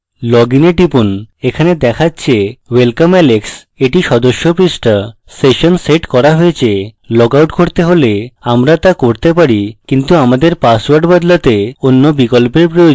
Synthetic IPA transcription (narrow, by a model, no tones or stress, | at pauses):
lɔɡineʈipunekʰaned̪ɛkʰatːɕʰewelkamɛleks | eʈiʃɔd̪oʃːopɾisʈa | seʃonseʈkɔɾaɦoet͡ɕʰelɔkawʈkoɾt̪eɦoleamɾat̪akoɾt̪epaɾikint̪uamad̪eɾpaswaɾɖbad̪lat̪eonːobikolpeɾpɾojo